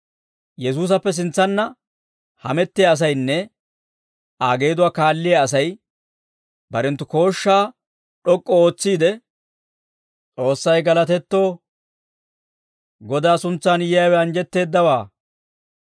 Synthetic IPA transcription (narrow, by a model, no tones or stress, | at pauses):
jɛs̬uːs̬ɐpːɛs̬ɪnt͡sːɐnːɐ | hɐ̰mɛt̪ːɪjɐːs̬ɐjnːɛ | ʔaːɡe̞ːd̪ʊwaːkaːlːɪjɐːs̬ɐj | bɐɾɛnt̪ːʊko̞ːʃːaː | ɗɔkʼːɔo̞ːt͡sːiːd̪ɛ | t͡sʼo̞ːsːɐjɡɐlɐt̪ɛt̪ːo̞ː | ɡɔd̪aːsʊnt͡sːaːnjjawɛɐnd͡ʒɛt̪ːe̞ːd̪ːɐwaː